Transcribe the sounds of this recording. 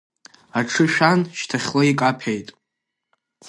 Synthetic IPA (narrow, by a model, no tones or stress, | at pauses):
aʈ͡ʂʰɨʃᶣanʃtʰaχʲloikʼapʰejtʼ